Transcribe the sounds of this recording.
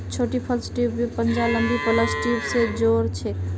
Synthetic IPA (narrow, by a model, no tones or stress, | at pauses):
t͡ʃʰoʈipʰəlsʈibipənd͡ʒaləmbipələsʈibsed͡ʒoɾt͡ʃʰɛ